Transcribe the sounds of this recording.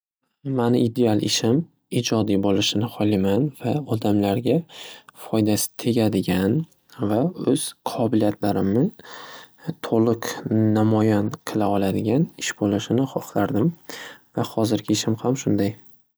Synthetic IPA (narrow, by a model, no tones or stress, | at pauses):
manɪʔid̪e̞alˠɪʃɪm | id͡ʒɒd̪ijbolˠɪʃɪnɪhɒlˠimanvaɒd̪amlaɾɡʲafɒjd̪asɪ̥t̪ʰe̞ɡʲad̪ɪɡʲan | vaɵz̥qʰɒbɪlijat̪ʰlaɾɪmnɪ | t̪ʰolˠɨqnamɒjanqʰɨlˠaɒlˠad̪ɪɡʲanɪʃbolɪʃɪnɪχɒχlaɾd̪ɪmvahɒzɪɾɡʲɪɪʃɪmhamʃʊnd̪aj